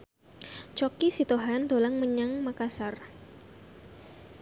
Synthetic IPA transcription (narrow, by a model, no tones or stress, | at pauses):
t͡ʃokisit̪oɦand̪olaŋməɲaŋmakasar